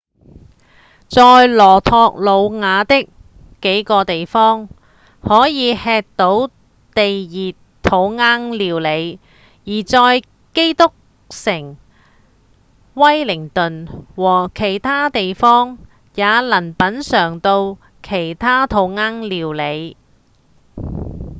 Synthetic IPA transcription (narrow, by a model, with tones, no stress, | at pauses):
t͡sɔː˧jlɔː˨˩t̪ʰɔː˧k̚lo˨˧wŋaː˨˧t̪ɪ˥kː | e˨˥jkɔː˧t̪e˨jfɔː˥ŋ | hɔː˨˥jiː˨˧hɛː˧k̚t̪o˨˥w | t̪e˨jjiː˨t | t̪ʰːo˨˧wŋaː˥ŋliː˨˧wle˨˧j | jiː˨˩t͡sɔː˧j | ke˥jt̪ʊ˥k̚ | sɪ˨˩ŋ | wɐ˥jlɪ˨˩ŋt̪ɵ˨nwɔː˨˩kʰe˨˩jt̪ʰaː˥t̪e˨jfɔː˥ŋ | jaː˨˧lɐ˨˩npɐ˨˥nsœː˨˩ŋt̪o˧w | kʰe˨˩jt̪ʰaː˥t̪ʰo˨˧˥wŋaː˥ŋliː˨˧wle˨˧j